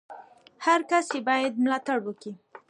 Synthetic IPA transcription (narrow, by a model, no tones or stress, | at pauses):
haɾkasebɑjad̪̚mlɑt̪aɽwəki